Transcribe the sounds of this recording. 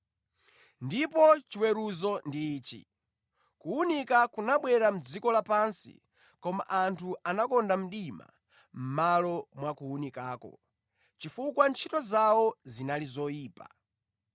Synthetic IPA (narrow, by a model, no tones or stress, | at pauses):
ndipɔt͡ʃiwɛɾuzɔndiːt͡ʃḭ | kuunikakunaɓwɛɾam̩d͡zikɔlapansḭ | kɔma̰ʔantʰuanakɔndam̩ɗima̰ | m̩malɔmwakuunikaːkɔ̰ | t͡ʃifukwant͡ʃʰitɔzawɔzinalizɔjiːpa̰